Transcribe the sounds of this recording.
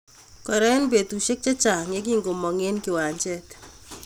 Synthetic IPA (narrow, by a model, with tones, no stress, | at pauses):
kɔ˨ɾɛ˦nbe˨tu˨ʃe˦k̚t͡ʃɛ˦t͡ʃa˨ŋe˦k̬i˦ŋɡo˨mɔ˨ŋe˦nkɪ˨wa˨ɲt͡ʃɛ˦t